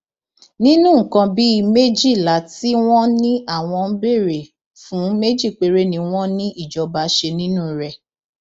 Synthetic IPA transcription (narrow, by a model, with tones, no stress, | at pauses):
nĩ˦nũ˦ŋ̩˨kã˧bi˦i˧me˦d͡ʒi˦˨la˨˦ti˦w̃ɔ̃˦nĩ˦ʔa˦˨w̃ɔ̃˧n̩˦be˦˨ɾe˨ | fũ˨˦me˦d͡ʒi˦˨k͡pe˨ɾe˦nĩ˧w̃ɔ̃˦nĩ˦ʔi˦˨d͡ʒɔ˧ba˧˦ʃe˧nĩ˦nũ˦ɾɛ˧